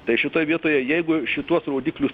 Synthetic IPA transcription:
t̪ɐɪʃʲɪt̪oːjɛʋʲiɛt̪oːjɛjɛɪɡʊʃʲɪt̪uɔsroːd̪ʲiːklʲʊs

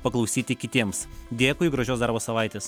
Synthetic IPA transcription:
pɐklˠɐʊsʲiːt̪ʲɪkʲɪt̪ʲiɛmsd̪ʲeːkʊɪɡɾɐʒʲoːsd̪ɐɾboːsɐʋɐɪt̪ʲeːs

